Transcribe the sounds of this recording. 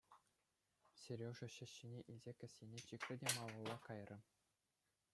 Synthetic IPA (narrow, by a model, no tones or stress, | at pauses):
sʲerʲoʐɘ̆ɕɘ̆ɕːinʲeʔilʲzʲekʲɘ̆sʲːenʲet͡ɕikrʲɘ̆dʲemɑlɤ̆lˠːɑkɑjrʲɤ̆